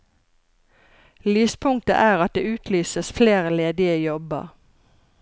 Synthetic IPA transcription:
lyːspʰʊŋ̚t̪ə̰ʔæːʁɑt̪̚d̪eːʉːt̪ʰlyːsəsfleːʁəleːd̪ɪəjɔbə̰

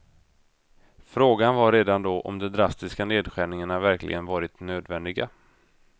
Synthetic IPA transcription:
fɾoːɡanvaɾeːd̪and̪oʔɔ̰md̪ɛd̪ɾast̪ɪskaneːd̪ɧæːɳɪŋəɳavæɾklʔɪ̰ɡənvɑːɾɪt̪nøːd̪vɛnd̪ɪɡa

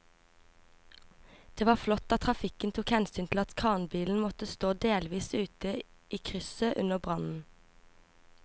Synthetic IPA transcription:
d̪̥eːʋɑːflɔt̪ɑt̪ʰʁɑfɪkənt̪ʰuːkhɛnsyːnt̪ʰl̩ɑt̪kʰɑːnbiːln̩mɔt̪əst̪oːd̪eːlʋiːsʉːt̪ə | iːkʰʁʏsøːʔʉnəbʁɑnn̩

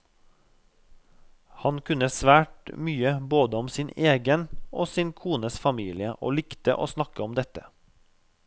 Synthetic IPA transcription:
hɑnkʰʉnəsʋæːʈmyːəboːd̪əɔmsineːɡənoːsɪnkʰuːnəsfɑmiːlɪəʔo̰ːlɪkt̪ə̰ʔo̰ːsnɑkəɔmd̪ɛt̪ə

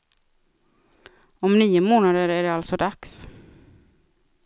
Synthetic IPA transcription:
ɔmniːʊmoːnad̪əɾæɖɛalt̪sɔd̪aks

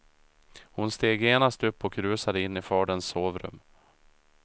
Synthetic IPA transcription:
hʊnst̪eːɡjeːnast̪ɵpːɔkɾʉ̟ːsad̪əɪnːɪfɑːɖənsːoːvɾɵ̰mː

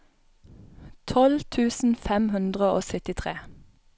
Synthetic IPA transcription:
t̪ʰɔlt̪ʰʉːsn̩fɛmhʉnd̪ʁəoːsœt̪ɪt̪ʰʁeː

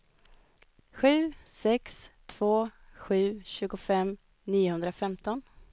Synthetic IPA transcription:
ɧʉ̟ːsɛkst̪ʰv̥oːɧʉ̟ːɕʉ̟ːɡʊfɛm | niːʊhɵnd̪ɾafɛmt̪ɔn

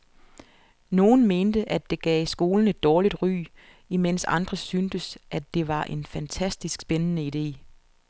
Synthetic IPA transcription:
no̝ːn̩me̝ːnd̥əʔædd̥e̝ɡ̥ɛ̰ːsɡ̥o̝ːln̩e̝d̥ːɒːlid̥ʁy̰ː | imen̰sɑ̈nd̥ʁɐsynd̥əsʔæd̥e̝ʋɑ̈ʔe̝nfænt͡sʰæsd̥isɡ̥sb̥enənəid̥e̝̰ː

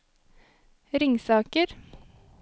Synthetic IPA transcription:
ɾɪŋsɑːkəɾ

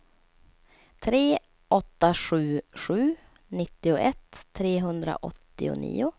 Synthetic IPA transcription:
t̪ʰɾeː | ɔt̪ːaɧʉ̟ːɧʉ̟ː | nɪt̪ːɪʊʔɛt̪ʰːɾeːɦɵnd̪ɾa̰ʔɔt̪ːɪʊ̰nḭːʊ

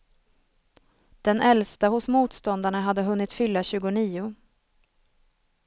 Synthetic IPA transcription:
d̪̥ɛnʔɛlst̪ahʊsmuːt̪st̪ɔnd̪aɳaɦad̪ːəɦɵnːɪt̪fʏlːaɕʉ̟ːɡʊniːʊ

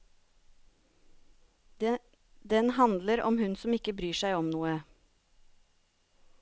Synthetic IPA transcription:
d̪ɛnhɑnd̪ləɾɔ̰mhʉnsɔmɪkəbɾyːʃæɪɔmnuːə

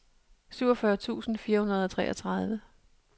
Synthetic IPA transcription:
syʊ̰ɒfɶɐt͡sʰṵːsn̩fiːɐhunɐð̞ˠɒt͡sʰʁɛ̰ːʔɐt͡sʰʁɑðˠʋə

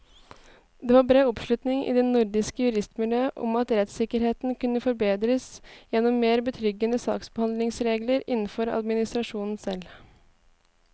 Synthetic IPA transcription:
d̪ɛːʋɑːɾbɾeːɔpʂlʉt̪nɪŋḭd̪ɛnʊɾɖ̪ɪskəjʉɾɪst̪mʉløːʔɔ̰mɑt̪ɾɛt̪sɪkəɾheːt̪nkʰʉnːəfɔɾbeːd̪ɾəsjɛnːɔmːeːɾbət̪ʰɾʏɡənəsɑ̰ːksbəhɑnd̪lɪŋsɾeːɡləɾɪnn̩fɔɾɑ̰d̪mɪnɪst̪ɾɑʂuːnn̩sɛl

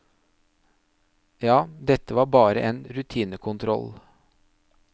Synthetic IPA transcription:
jɑːd̪ɛt̪ːəʋɑːɾbɑːɾəʔeːnɾʉt̪ʰiːnəkʰʊnt̪ʰɾɔ̰l

